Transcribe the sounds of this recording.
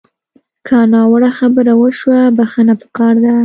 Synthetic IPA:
kʰanɑwəɽaxabəɾawəʃwabaxənapə̥kɑɾd̪a

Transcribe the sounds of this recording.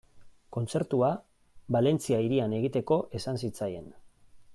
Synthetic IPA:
ko̞nt͡se̞ɾt̪ua | βale̞nt͡siaiɾiane̞ɣ̞it̪e̞ko̞ʔe̞sansit͡saje̞̰n

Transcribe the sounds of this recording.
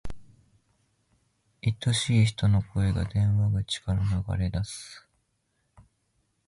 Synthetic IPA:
it̪ːo̞ɕiːçi̥t̪o̞no̞kʰo̞e̞ɡa̰d̪ẽ̞ɰ̃βaɡɯ̟t͡ɕi̥kaɾanaɡa̰ɾe̞d̪asɨ̥

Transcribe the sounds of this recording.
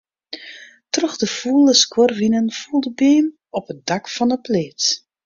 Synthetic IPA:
trøxdəfulˠəskwɔrʋinənfulˠdəbeːn | ɔpədakfɔnəpleːt

